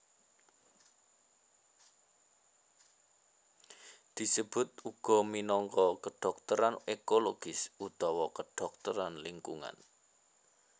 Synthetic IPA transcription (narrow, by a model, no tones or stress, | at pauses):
d̪̥i̤səb̥ʊ̤t̪̚uɡ̥ɔ̤minɔŋkɔkəɖ̥ɔ̤k̚t̪əɾanekoloɡ̥ɪsut̪ɔwɔkəɖ̥ɔ̤k̚t̪əɾanliŋkuŋa̰n